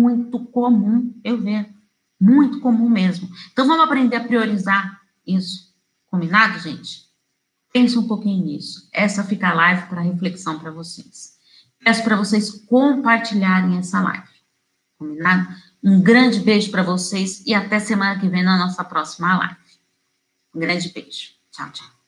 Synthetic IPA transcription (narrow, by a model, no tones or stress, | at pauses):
mũj̃t̪ʊkomũewveʒʊ | mũj̃t̪ʊ̥kõmũmezmʊẽt̪ɐ̃w̃vɐ̃mʊapɾẽnd̪eɾɐpɾioɾizaɾ | isʊ̥ | kõmbinad̪ʊʒḛ̃t͡ʃɪ̥ | pẽsʊũpokĩɲʊḭsʊ̥ɛsɐfikɐalajvɪpɾɐɦefleksɐ̃w̃pɾɐvose̥s | pɛsʊ̥pɾɐvosejskõpaɾt͡ʃiʎaɾẽj̃ɛsɐla̰jvɪ | kõmbinad̪ʊ | ũɡɾɐ̃d͡ʒɪbeʒʊpɾɐvosesɪat̪ɛɐsemɐ̃nɐkɪvẽj̃nɐnɔsɐpɾɔsimɐla̰jvɪ | ũɡɾɐ̃d͡ʒɪbeʒ̥ʊ̥ | t͡ʃa̰wt͡ʃaw